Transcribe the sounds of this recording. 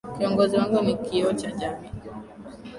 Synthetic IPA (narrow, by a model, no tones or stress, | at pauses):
kiɔŋɡɔziwaŋɡunikʰiɔt͡ʃaʄami